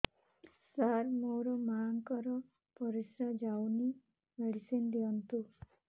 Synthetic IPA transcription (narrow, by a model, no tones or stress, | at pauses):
saɾmoɾɔmaŋkɔɾɔ | pɔɾisɾad͡ʒawni | meɽisend̪ijɔnt̪u